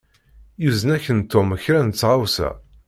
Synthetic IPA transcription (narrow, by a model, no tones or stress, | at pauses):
juzənæçənt̪oməçɾænət͡sːʁawsæ̰